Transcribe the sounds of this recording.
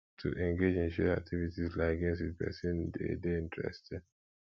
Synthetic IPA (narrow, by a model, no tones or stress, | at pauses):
tʰṵʔɛ̃ŋɡed͡ʒĩnʃɛɹa̰k̚tʰivitizlaɪaɡɛ̃ns̬twidpɛ̰sɔ̃ndḛdeĩntʰɹɛ̰stɛ̃d